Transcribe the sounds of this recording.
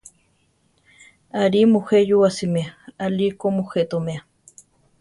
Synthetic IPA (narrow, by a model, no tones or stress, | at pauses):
aɾimuxejuwasimeaalikomuxet̪omea